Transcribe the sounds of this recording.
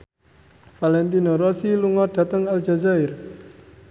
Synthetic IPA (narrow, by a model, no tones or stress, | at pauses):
falɛnt̪inɔɾɔsiluŋɔɖ̥a̤t̪əŋald͡ʒa̤zaɪr